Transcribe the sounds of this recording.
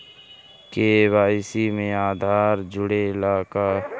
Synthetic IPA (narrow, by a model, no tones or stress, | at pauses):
keːʋaːɪsimẽaːd̪ʱaːɾd͡ʒʊɽelaːka